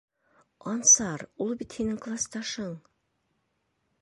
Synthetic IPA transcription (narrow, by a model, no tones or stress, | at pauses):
ɒnsɑɾulˠbit̪hinɘŋklˠast̪ɑʃɤɴ